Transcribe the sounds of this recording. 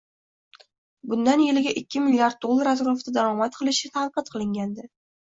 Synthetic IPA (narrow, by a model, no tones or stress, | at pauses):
bʊnd̪anjelɪɡʲaʔɪkʲːɪmɪlʲijaɾd̪̚olˠːaɾazɾoft̪ad̪aɾɒmat̪̚qʰɨlˠɪʃɪt̪ʰanqɨt̪̚qʰɨlˠɪŋɡʲand̪ɪ